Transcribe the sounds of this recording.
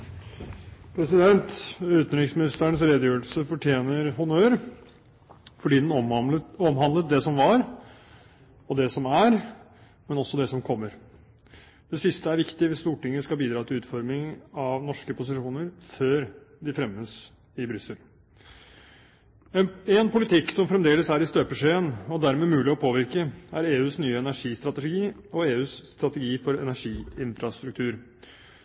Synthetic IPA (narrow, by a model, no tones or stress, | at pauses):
pʰɾɛsɪd̪ɛnt̪ʉːt̪nɾɪksmɪnɪst̪əɳsɾeːd̪jøːəlsəfɔʈʰjeːnəɾɦʊnøːəɾ | fɔɖiːd̪ɛnɔmɦɑnd̪lət̪̚d̪ɛsɔmʋɑɾ | ɔd̪ɛsɔmæɾ | mɛnɔsːɔd̪ɛsɔmkʰɔmːəɾ | d̪̥ɛsɪst̪əæɾʋɪkt̪ɪʋɪst̪uːʈɪŋːəskɑbiːd̪ɾɑːt̪ʰɪlʉːt̪fɔɾmɪŋɑʋnɔʂkəpʊsɪʂuːnəɾføːɾd̪ɪfɾɛmːəs | ɪbɾʏsːəl | ɛɛnpʊlɪt̪ʰɪkːsɔmfɾɛmd̪eːləsæɾɪst̪øːpəʂeːənɔd̪æɾmɛːmʉːlɪɔpʰoːʋɪɾkəæɾeːʉːsnyːəɛnæʂiːst̪ɾɑt̪ɛɡiːɔeːʉːsːt̪ɾɑt̪ɛɡiːfɔɾɛ̰næʂiːɪnfɾɑst̪ɾʉk̚t̪ʰʉːɾ